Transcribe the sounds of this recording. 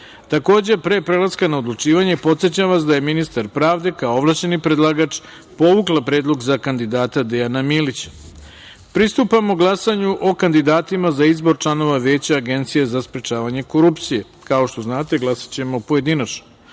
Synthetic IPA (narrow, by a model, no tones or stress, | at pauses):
t̪ako̞ːd͡ʑe̞pɾe̞pɾe̞lˠaskanaod̪lˠut͡ʃiːʋaɲe̞po̞t̪set͡ɕamʋasd̪aje̞minist̪aɾpɾaːʋd̪e̞kaooʋlˠaɕt͡ɕe̞nipɾed̪lˠaɡat͡ʃ | po̞ʋuklˠapɾeːd̪lˠo̞ɡzakand̪id̪aːt̪ad̪ejanamiːlit͡ɕḁ | pɾist̪upamo̞ɡlˠasaɲuʔo̞kand̪id̪aːt̪imazaizbo̞ɾt͡ʃlˠano̞ʋaʋe̞ːt͡ɕaaɡe̞nt̪sijezaspɾet͡ʃaːʋaɲe̞ko̞ɾupt̪sije̞ | kao̞ʃt̪o̞znaːt̪e̞ɡlˠasḁt͡ɕe̞mopoje̞d̪inat͡ʃno̥